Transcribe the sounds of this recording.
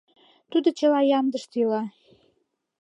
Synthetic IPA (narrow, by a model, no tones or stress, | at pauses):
t̪ud̪ot͡ɕəlɑjɑmd̪əʃt̪ylɑ